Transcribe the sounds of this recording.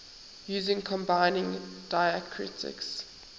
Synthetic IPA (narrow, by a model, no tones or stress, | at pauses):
juːzɪ̃ŋkʰɔ̃mbaɪnɪ̃ŋd̥aɪəkʰɹɪ̰tʰɪ̰ks